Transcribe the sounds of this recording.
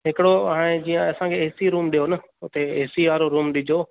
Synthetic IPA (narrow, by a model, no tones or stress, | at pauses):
ɦɪkɪɽoɦaːɽ̃ed͡ʑiːãɐsãkʰeeːsiɾuːmɗijonə | ʊt̪eeːsiʋaːɾoɾuːmɗɪd͡ʑʱoː